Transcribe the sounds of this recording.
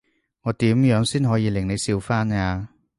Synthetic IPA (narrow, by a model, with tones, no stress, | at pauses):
ŋɔː˨˧t̪iː˨˥mjœː˨˥ŋsiː˥nɦɔː˨˥jiː˨˧lɪ˨˩ŋne˨˧jsiː˧wfaː˥naː˧